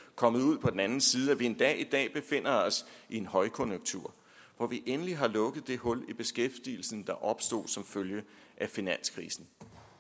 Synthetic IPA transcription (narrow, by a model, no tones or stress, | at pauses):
kʰɒ̽məð̩ˠuð̞̰ˠpʰɒ̽d̥enænn̩siːð̞ˠæʋie̝nd̥ɛ̰ːid̥ɛ̰ːb̥e̝fe̝n̰ɐɒ̽sʔie̝nhɒ̽ɪkʰɔ̽njoɡ̥̚t͡sʰuɐ̰ | ʋɒʋiʔenəliɦɑ̈lɔ̽ɡ̥ð̩ˠd̥e̝hɔ̽lib̥e̝sɡ̥efd̥ḭːl̩sn̩d̥ɑ̈ʔɒ̽b̥sd̥o̝̰ːsɒ̽mføljə | ʔæfinæn̰skʰʁḭːsn̩